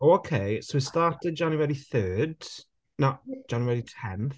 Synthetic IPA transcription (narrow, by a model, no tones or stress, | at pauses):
okʰejsoistaːtɪd̚d͡ʒaniwɛdiθøːd | nad͡ʒaniwɛditʰɛnθ